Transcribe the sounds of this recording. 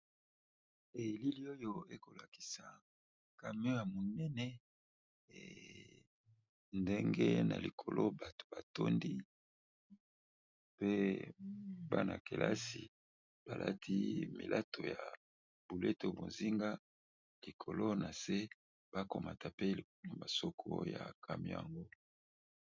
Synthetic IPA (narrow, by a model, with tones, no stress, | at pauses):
e˨li˦li˦o˦jo˦e˦ko˨la˨ki̥˨sa˨ | ka˨mi˦o˦ja˨mo˨nɛ˦nɛ̰˦˨ | nde˦ŋɡḛ˦na̰˨li˨kʰo˨lo˦ba˨to̥˨ba˨to˦ndi˦ | pe˦ | ba˦na̰˨ke˨lʔa˦si˨ | b̥a˨lʔa̰˦tʰi˦mḭ˨lʔa˦tʰo˨ja˨ | b̥u˨le˦to˨bo˨nzi˦ŋɡa˦ | li˨kʰo˨lo˦na˨se˦ | b̥a˦ko˨ma˨tʰa˨pe˦li˨˦no˨ma˨so˦kʰo̰˦ja̰˨kʰa˨mjo˦ja˨ŋɡo˦